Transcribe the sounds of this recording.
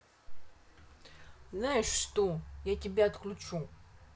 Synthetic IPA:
znajɪʂːt̪ojatʲɪbʲaɐt̪klʲʊt͡ɕu

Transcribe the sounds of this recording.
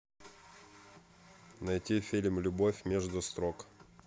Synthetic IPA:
nɐjtʲifʲilʲmlʲʊbofʲmʲeʐd̪ʊst̪ɾok

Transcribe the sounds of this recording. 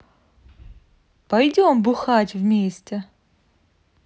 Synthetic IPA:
pɐjdʲombɨxatʲvmʲesʲtʲɪ

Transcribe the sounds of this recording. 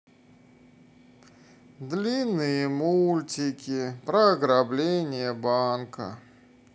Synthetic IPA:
d̪lʲinːɨjəmulʲtʲɪkʲɪpɾɐɐɡɾablʲenʲɪjəbankə̰

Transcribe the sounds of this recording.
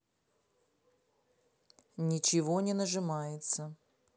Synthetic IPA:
nʲɪt͡ɕɪvonʲɪnəʐɨmajɪt̪sə

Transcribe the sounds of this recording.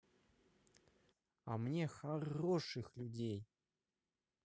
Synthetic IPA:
a̰mnʲexaroʂɨxlʲʊdʲej

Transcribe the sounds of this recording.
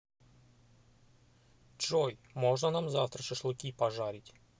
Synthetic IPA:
d͡ʒɔjmɔʐnɐnamzaft̪ɾɐʂɪʂlˠʊkʲipɐʐaɾʲɪtʲ

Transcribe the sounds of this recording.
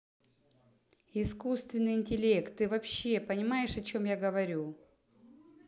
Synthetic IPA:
ɪskust̪vʲɪnːɨjɪnʲtʲɪlʲe̞kt̪ːɨvɐpɕːe̞pənʲɪmajɪʂɐt͡ɕo̞mjaɡəvɐɾʲu

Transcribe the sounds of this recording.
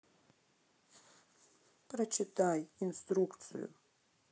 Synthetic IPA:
prɐt͡ʃʰɪt̪ʰajinst̪ɾukt̪sʰɨ̰jṵ

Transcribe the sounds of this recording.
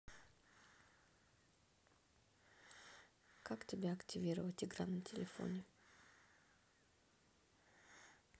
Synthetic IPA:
kakt̪ʲebʲeakt̪ʲivʲiɾəot̪ʲiɡɾamɨnt̪ʰʲelʲefo̰nʲe

